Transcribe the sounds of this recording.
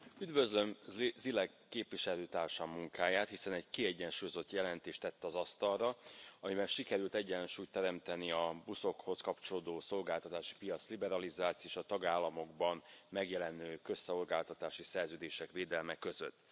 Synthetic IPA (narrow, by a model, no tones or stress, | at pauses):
yd̪vø̞zlø̞mzilɛkːeːpʋiʃɛløːt̪aːrʃamːuŋkaːjaːt̪hisɛnɛɟkiɛɟːɛnʃuːjo̞zo̞t̪ːjɛlɛnt̪eːʃt̪ɛt̪ːɛɒzɒst̪ɒlrɒɒmibɛnʃikɛɾylt̪ɛɟːɛnʃuːjt̪ːɛɾɛmt̪ɛniɒbuso̞kho̞skɒpt͡ʃo̞loːd̪oːso̞lɡaːlt̪ɒt̪aːʃi̥pijɒt̪slibɛɾɒlizaːt̪sioeːʃɒt̪ɒɡaːlːɒmo̞ɡbɒnmɛɡjɛlɛnøːkø̞sːɛo̞lɡaːlt̪ɒt̪aːʃisɛrzøːd̪eːʃɛkʋeːd̪ɛlmɛkø̞zø̰t̪ː